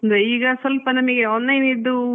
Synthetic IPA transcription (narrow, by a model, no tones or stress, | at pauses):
ɐnd̪eiːɡɐsʋɐlpɐnɐmɐɡeɔnːɐjnid̪ːu